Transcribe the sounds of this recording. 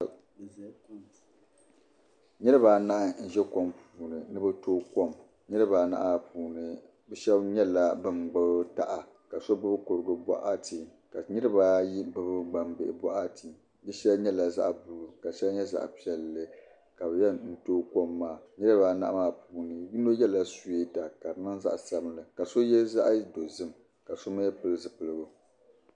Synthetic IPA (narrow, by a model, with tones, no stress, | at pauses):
ɲɛ˦ɾɨ˦baː˨na˦ʔa˦n̩˦˨ʒɛ˦ko˦mpuː˨nɨ˨nɨ˦bɨ˦toː˦ko˦m | ɲɨ˦ɾɨ˦baː˨na̰˦ʔa˦puː˨nɨ˨ | bɛ˦ʃɛ˦bɲɛ˦la˨bɨ˦mɡ͡bɨ˦bta̰˨ʔa˨ | ka˨so˦bɨ˦bɨ˦kʊ˨ɾɨ˨ɡɨ˨ba̰˦ʔa˦tʰi˨ | ka˨ɲi˦ɾɨ˦ba˦ji˦bɨ˦bɨ˦ɡ͡ba˨mbɪ˦˨ʔɪ˨ba̰˦ʔa˦ti˨ | bɨ˦ʃɛ˦lɲɛ˦la˨za̰˦ʔbu˨lu˨ka˨ʃɛ˦lɲɛ˦za̰˨ʔpi˦ɛ˨lːɨ˦ | ka˨bɨ˨jɛ˦n̩˦toː˦ko˦mːaː˦˨ɲɨ˦ɨ˦ba˦na̰˦ʔmaː˦˨puː˨nɨ˨ji˦no˦jɛ˦la˦su˦e˦ta˨ka˨nɨ˦ŋza̰˦ʔsa˦blɨ˨ka˨so˦jɛ˦za̰˦ʔdo˨zɨ˦m˨ | ka˨so˦ma˦ɛ˦pɨ˦lɨ˦zɨ˨pɨ˨lɨ˦bʊ˨